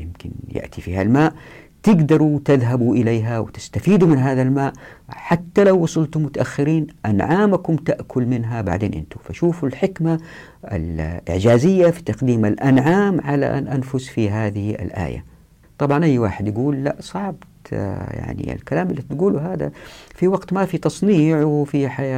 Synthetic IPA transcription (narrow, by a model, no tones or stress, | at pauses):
jɪmkɪ̰njɪ̰ʔt̪ʰifiːhalmaːʔ | t̪ɪɡd̪ɑɾˤut̪ɪðɦabuʔɪleːɦawt̪ɪ̥st̪afiːd̪umɪnɦaːðalmaːʔħat̪ːalawːɑsˤʊlt̪ʊmːʊt̪aʔaxːɪɾiːnʔanʕaːmakʊmt̪aʔkʰʊlmɪnɦaba̰ʕd̪eːnʔɪ̰nt̪ufaʃuːfalħɪkma | a̰lʔɪ̰ʕd͡ʒaːzɪjːafi̥t̪ɑqd̪iːmalʔanʕaːmʕala̰ʔa̰nʔanfʊsfiɦaːðɪhia̰lʔa̰ːja̰ | t̪ˤɑbʕɑnʔajːwa̰ːħɪd̪jaɡuːlːa̰ʔsˤɑʕbt̪ja̰ʕnḭɪ̰lkalaːmalːit̪ɡuːluɦaːd̪a̰fiwaɡt̪mafit̪ɑsˤniːʕwfiħajaː